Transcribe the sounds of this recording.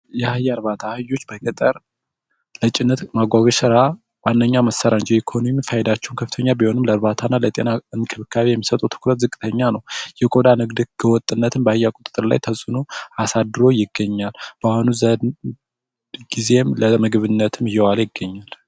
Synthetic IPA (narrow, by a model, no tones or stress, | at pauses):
jɛhajaɾβat̪ʰahɨjːo̞t͡ʃːbəkʼət̪ʼəɾ | lət͡ʃʼɪnːət̪maɡʷaɡəʃɨɾa | wanːəɲːaməsːəɾand͡ʒiikʰo̞nomifajɛd̪at͡ʃːɛwunkʰəfɨ̥t̪ʰəɲːabiho̞nɨmləɾbat̪ʰanːalət̪ʼe̞naɨnkʰɨβɨkʰːaβijɛmːisət̪ʼut̪ʰɨ̥kʰɾət̪zɨkʼɨt̪ʰəɲːanəwjɛkʼo̞d̪anɨɡd̪ɨɡ̥əwɔt̪ʼːɨnːət̪ʰɨmbəɨjakʼʊt̪ʼt̪ʼːɨɾla̰jt̪ʰəsʼɨnuasad̪ɨɾo̞jɪɡːəɲːalb̥əahonuzə | ɡ̥ize̞mləmɨɡβɨnːət̪ʰɨmɨjːɛwaljɪɡːəɲːal